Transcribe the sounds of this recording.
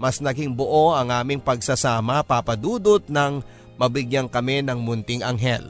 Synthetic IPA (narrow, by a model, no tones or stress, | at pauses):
mɐsnɐɡɪŋboʔo̞ʔɐŋʔaːmɪŋpɐɡ̚sɐsaːmɐpapɐd̪uːd̪ot̪̚nɐŋ | mɐbɪɡjɐŋkɐmɛnɐŋmʊnt̪ɪŋʔɐŋɦɛ̰l